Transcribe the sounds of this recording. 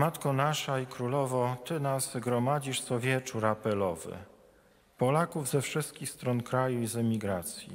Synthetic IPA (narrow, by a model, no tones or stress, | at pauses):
mat̪kɔnaʂaikɾulɔvɔt̪ɘnazɡɾɔmad͡ʑiʂsɔvʲjɛt͡ʂuɾapɛlɔvɘ̰ | pɔlakuvzɛfʂɘst̪̚kʲixst̪ɾɔnkɾajuizɛmʲiɡɾat̪sʲjḭ